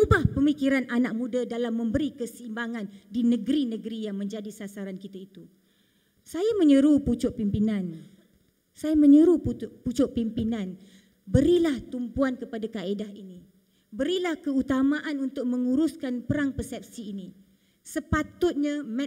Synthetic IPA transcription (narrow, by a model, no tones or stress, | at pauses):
ubahpəmikiɾanʔanak̚mũdadalamːə̃mbəɾikəsimbaŋandinə̃ɡəɾinə̃ɡəɾijaŋmə̃ɲd͡ʒadisasaɾankit̪ait̪u | sajamə̃ɲəɾuput͡ʃʊʔpimpinãn | sajamə̃ɲəɾupput͡ʃʊʔpimpinãn | bəɾilaht̪umpuankəpadakaedaɦini | bəɾilahkəut̪amãʔanunt̪ʊk̚mə̃ŋuɾuskanpəɾaŋpəsɛp̚siːni | səpat̪ʊt̪̚ɲamɛ̃